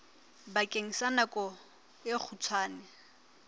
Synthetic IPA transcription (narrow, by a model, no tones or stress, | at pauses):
bakʼeŋ̩sanakʼɔ | ɪk͡xʰut͡sʰwaːnɪ